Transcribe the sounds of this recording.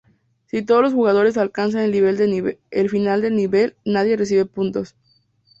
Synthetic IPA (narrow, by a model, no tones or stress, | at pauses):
sit̪o̞ð̞olosxuɣað̞o̞ɾe̞s̬alkans̬anelniβe̞ld̪enelfinald̪e̞lniβe̞lnað̞je̞res̬iβe̞punt̪o̞s